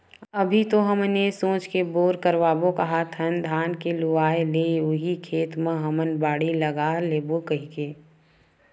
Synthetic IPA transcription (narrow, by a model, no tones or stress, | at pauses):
əbʱit̪oɦəmnesõːt͡ʃkeboːɾkəɾʋaːbokɐɦat̪ʰənd̪ʱaːnkeluaːeleʊɦikʰeːt̪mə̃ɦəmənbaːɽiləɡaːleːbokəɦikeː